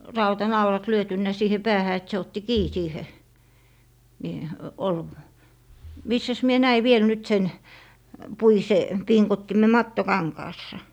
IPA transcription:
rɑutɑnɑulɑt lyøtynːæ siːhe pæːhæ et se otːi kiː siːhe ni ol misːæs mie næi ʋiel nyt sen puise piŋkotːime mɑtːokɑŋkɑːsːɑ

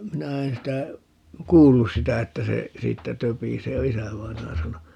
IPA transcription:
minæ en sitæ kuːlːus sitæ etːæ se siːtːæ tøpiseː jɑ isæʋɑinɑjɑ sɑno

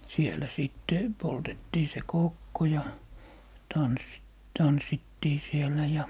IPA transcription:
sielæ siˑtːe b̥oltetːiː se koˑkːo jɑ tɑns tɑnsːitːiː sielˑæ jɑ

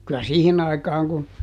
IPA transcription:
kylæ siːhin ɑikɑːŋ kun

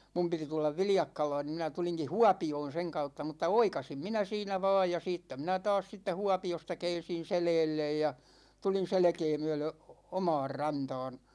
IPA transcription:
mum piti tulːɑʋ ʋiljɑkːɑlɑːn ni minæ tuliŋki huɑpioːn̞ seŋ kɑutːɑ mutːɑ oikɑsim minæ siːnæ ʋɑ̝ːj jɑ siːtːæ minæ tɑːs siːtːæ huɑpiostɑ kɛːn̞sin̞ selɛːlːej jɑ tulin̞ selĕkeː myølø omɑ̝ːr rɑntɑ̝ːn

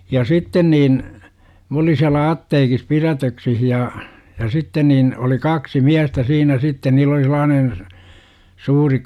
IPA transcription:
jɑ sitːen niːn m olin̞ siælæ ɑtːeːkis pirætøksih jɑ jɑ sitːen niːn oli kɑksi miæstæ siːnæ sitːe niːl oli selˑɑːnen̞ suːri

